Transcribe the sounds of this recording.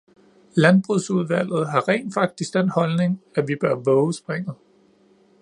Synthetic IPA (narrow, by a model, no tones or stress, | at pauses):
lænb̥ʁuð̰ˠsuð̞ˠʋæl̰ð̞̩ˠɦɑ̈ʁɛ̰ːnfɑ̈ɡ̥̚d̥isɡ̥d̥en̰hɒ̽lne̝ŋæʋib̥ɶɐʋɔʊsb̥ʁeŋ̰ð̩ˠ